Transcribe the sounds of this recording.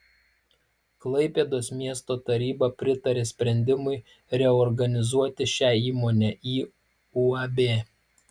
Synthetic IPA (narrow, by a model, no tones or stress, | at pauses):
klˠɐɪpʲeːd̪oːsmʲiɛst̪oːt̪ɐɾʲiːbɐpʲɾʲɪt̪ɐɾʲeːsʲpʲɾʲɛnʲd̪ʲɪmʊɪ | ɾʲɛɔɾɡɐnʲɪzuɔt̪ʲɪʃʲæːiːmoːnʲɛːiː | uɐbʲeː